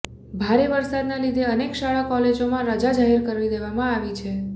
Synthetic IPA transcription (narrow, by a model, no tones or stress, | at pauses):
bʱaɾeʋəɾsad̪nalid̪ʱeənekʃaɭakɔled͡ʒomãɾəd͡ʒad͡ʒaɦeɾkəɾʋid̪eʋamãaʋit͡ʃʰe